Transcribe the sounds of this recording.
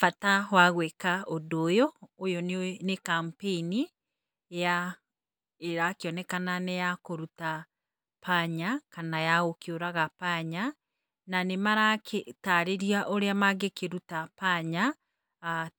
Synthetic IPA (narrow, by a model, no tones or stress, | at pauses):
fatawaɣwɛkaodoːjɔːjɔnnekampeini | eja | eɾakeɔnɛkananejakoɾuta | pʰaɲakanajaɣokeoɾaɣapaɲa | nanemaɾakʰetaɾeɾiaʔoɾeamaɡekeɾutapaɲa